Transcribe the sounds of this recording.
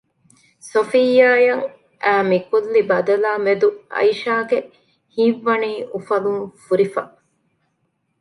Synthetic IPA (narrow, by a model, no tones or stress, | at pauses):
sofijːaːjɐŋ | ʔæːmikulːibɐd̪ɐlaːmed̪uɐ̰iʃaːɡe | hĩːʋːɐniːʔufɐluŋfuɾifɐ̰